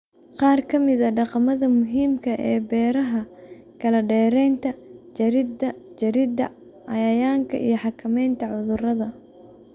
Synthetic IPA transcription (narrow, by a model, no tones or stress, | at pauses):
qɑːrkʰɐmɪðɐɖɑqɑmɐðɐmʊɦiːmkʰɐʔɛːbɛːɾɐɦɐ | kʰɐlɐɖɛːɾɛjnt̪ʰɐd͡ʒɐɾɪd̪ɐt͡ʃɐɾɪd̪ɐ̰ | ʕɑjɐjaːŋkʰɐ̰ʔḭjɞħɑkʰɐmɛjnt̪ʰɐʕʊðʊrɐðɐ